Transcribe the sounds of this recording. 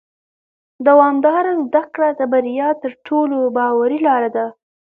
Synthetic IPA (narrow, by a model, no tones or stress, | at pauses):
d̪awɑmd̪ɑɾazd̪akɽad̪əbaɾijɑt̪əɾʈʰolobɑwaɾilɑɾad̪a